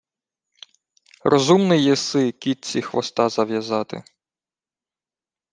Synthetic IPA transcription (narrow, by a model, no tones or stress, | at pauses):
rɔzumnɪjɛsɪkʲit̪̚t͡sʲixʋɔ̰st̪ɑzɐʋjɐzɑt̪ɪ̰